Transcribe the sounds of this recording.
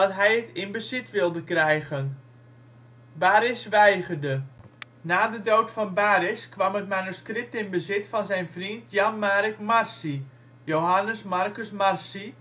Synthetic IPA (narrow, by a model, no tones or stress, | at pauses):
d̥ɑtɦɛjətɪnbəzɪtʋɪlˠdəkrɛjɣən | baːɾɪsʋɛjɣərdə | naːdədowtfɑnbaːɾɪskʋɑmət̚manuskrɪp̚tɪnbəzɪtfɑnzɛjnfrintjɑnmaːɾəkmarsi | jowɦanəsmarkəsmarsi